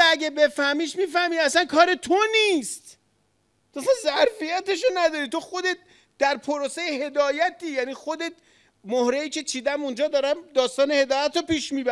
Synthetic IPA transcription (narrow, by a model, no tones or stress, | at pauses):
æɟebe̞fæhmiːʃmiːfæhmiːæsænkʰɒːɾet̪ʰo̞niːst̪ | t̪ʰoæsænzæɾfijæt̪e̞ʃ̬onæd̪ɒːɾit̪o̞xo̞d̪et̪̚ | d̪̥æɾpʰo̞ɾosejeɦe̞d̪ɒːjæt̪iːjæniːxo̞d̪e̞t̪̚ | mohɾeiːcʰe̞t͡ʃʰiːd̪æmund͡ʒɒːd̪ɒːɾæmd̪ɒːst̪ɒːne̞he̞d̪ɒːjæt̪ɾɔpiːʃmiːbæ